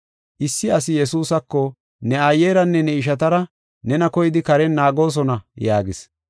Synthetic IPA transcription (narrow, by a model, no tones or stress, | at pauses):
ʔɪsːɪɐs̬ɪjɛsuːsɐkːɔ | nɛajːeːɾɐnːɛnɛɪʃ̬ɐt̪̬ɐɾɐ | nɛnɐkɔjɪd̪ɪkɐɾɛnːaːɡo̞ːs̬ɔnɐjaːɡɪs